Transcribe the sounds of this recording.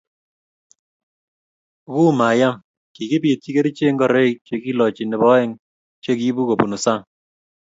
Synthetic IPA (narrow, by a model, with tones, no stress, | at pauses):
ɣu˦ma˨ja˦ | ki˨kɪ˦bi˨t̚ki˦ke˦ɾi˦t͡ʃe˦ŋɡɔ˦ɾe˦k̚t͡ʃe˦ki˦lɔ˨t͡ʃi˨nɪ˨βɔ˦ɪ˦ŋ | t͡ʃe˦ki˦bu˦ko˨pu˨nu˨sa˦